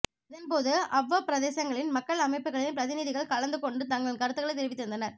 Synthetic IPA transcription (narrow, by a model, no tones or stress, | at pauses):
ɐðɐnpoːðɯʔɐʋːɐpɪɾɐðeːsɐŋɡɐɭɪnmɐkːɐɭɐmɐɪpːɯɣɐɭɪnpɪɾɐðɪniðɪɣɐɭkɐɭɐnd̪ɯkɔɳɖɯt̪ɐŋɡɐɭɪnkɐɾɯt̪ːɯɣɐɭɐɪt̪̬ːɪɾɪʋɪt̪ːɯɾɯnd̪ɐnɐɾ